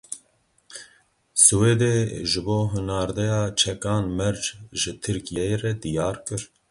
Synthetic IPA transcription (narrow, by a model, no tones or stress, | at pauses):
sɨweːd̪eːʒɨboːɦɨnɑːɾd̪ɛjɑːt͡ʃʰɛkɑːnmɛɾd͡ʒʒɨt̪ʰɨɾkijɛjrɛd̪ijɑːɾkɨɾ